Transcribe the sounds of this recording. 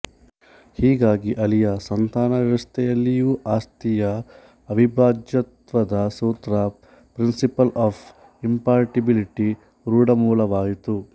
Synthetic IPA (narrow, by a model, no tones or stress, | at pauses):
hiːɡaːɡiʔɐlijɐsɐnt̪aːnɐʋɐʋɐst̪ʰɛjɐlːijuːʔaːst̪ijɐ | ɐʋibaːd͡ʒjɐt̪ʋɐd̪ɐsuːt̪ɾɐ | pɾinsipɐlaːfʰ | impaːɾʈibiliʈi | ɾuːɽɐmuːlɐʋaːjit̪u